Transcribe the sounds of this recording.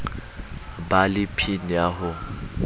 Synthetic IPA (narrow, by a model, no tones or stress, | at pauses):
balɪpʰin̩jaɦʊ